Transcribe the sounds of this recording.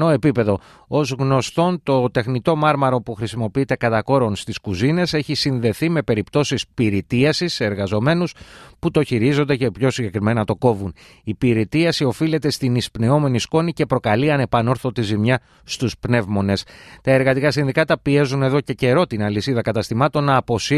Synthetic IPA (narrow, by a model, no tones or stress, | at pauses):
noe̞pipe̞ðo̞ | o̞zɣno̞st̪o̞nt̪o̞t̪e̞xnit̪o̞mɐɾmɐɾo̞puxɾisimo̞piit̪e̞kɐt̪ɐko̞ɾo̞nst̪iskuzine̞se̞çisinðe̞θime̞pe̞ɾipt̪o̞sispiɾit̪iɐsiseeɾɣɐzo̞me̞nusput̪o̞çiɾizo̞nd̪ece̞pço̞siɲɟe̞kɾime̞nɐt̪o̞ko̞vun | ipiɾit̪iɐsio̞file̞t̪e̞st̪inispne̞o̞me̞nisko̞nice̞pɾo̞kɐliɐne̞pɐno̞ɾθot̪izimɲɐ | st̪uspne̞vmo̞ne̞st̪ɐe̞ɾɣɐt̪ikɐsinðikɐt̪ɐpie̞zune̞ðo̞ce̞ce̞ɾo̞t̪inɐlisiðɐkɐt̪ɐst̪imɐt̪o̞nːɐːpo̞si